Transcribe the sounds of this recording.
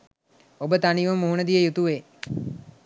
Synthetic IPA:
obət̪aniʋumːuɦunəd̪ijəjut̪uʋeː

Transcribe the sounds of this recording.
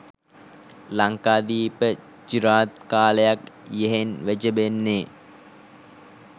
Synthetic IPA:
laŋkaːd̪iːpə | d͡ʒiɾaːt̪kaːləjakjeɦenʋæd͡ʒəbenːe

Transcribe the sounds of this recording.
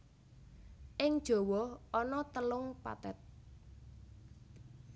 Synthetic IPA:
ʔɪŋd̥ʒ̥ɔ̤wɔhʔɔnɔt̪əlʊŋpa̰t̪ɛt̪̚

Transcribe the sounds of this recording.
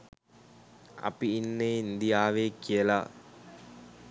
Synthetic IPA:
ɐ̰piːnːeind̪ijaːʋeːkijəla̰

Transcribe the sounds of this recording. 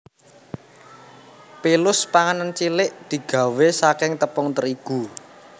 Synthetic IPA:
pelʊspaŋanant͡ʃilɪʔd̪̥i̤ɡ̥ä̤wesakɪŋt̪əpʊŋt̪əɾiɡ̥u

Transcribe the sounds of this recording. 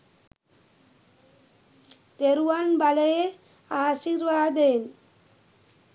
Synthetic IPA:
t̪ɛɾʋaːnbɐlɐje | aːʂiɾʋaːd̪eːn

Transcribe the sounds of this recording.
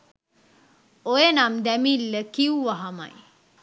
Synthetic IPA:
ojenamd̪æmilːəkiuʋaɦama̰j

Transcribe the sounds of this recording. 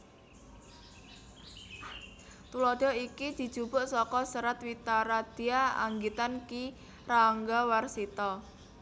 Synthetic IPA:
t̪ulɔɖ̪̥ɔ̤ikid̪̥i̤̥ʒ̥ub̥ʊ̤ʔsɔkɔsəɾat̪wit̪aɾad̪̥i̤aa̰ŋɡit̪anki | raŋɡawarsit̪ɔ

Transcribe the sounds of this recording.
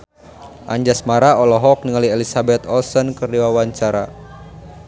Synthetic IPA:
ʔa̰ɲd͡ʒasmaɾaɔlɔɦɔk̚niŋaliɛlisabɛt̪ɔlsɔnkɨrdiwawaɲt͡ʃaɾa

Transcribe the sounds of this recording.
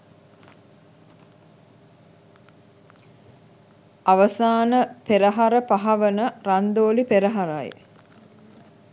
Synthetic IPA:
aʋəsaːnəpeɾəɦaɾəpaɦaʋənərand̪oːlipeɾəɦaɾa̰j

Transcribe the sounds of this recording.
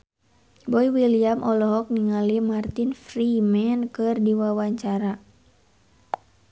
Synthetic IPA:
bɔiwiliamʔɔlɔɦɔk̚niŋalimart̪infrimɛnkɨrdiwawaɲt͡ʃaɾa

